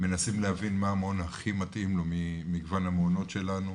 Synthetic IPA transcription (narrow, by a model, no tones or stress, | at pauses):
me̞nasimlehavinmaːmonhaχimatʔimlomimiɡvanhamono̞tʃe̞lanu